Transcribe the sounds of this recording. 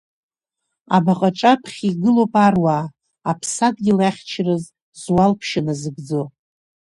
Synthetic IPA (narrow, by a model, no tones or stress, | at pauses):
a̰baqʼaʈ͡ʂʼapʰχʲiɡɨlo̞pʼarwaː | apʰsadɡʲilaχʲt͡ʃʰrɨz | zwalpʰʃanazɨɡd͡zo̞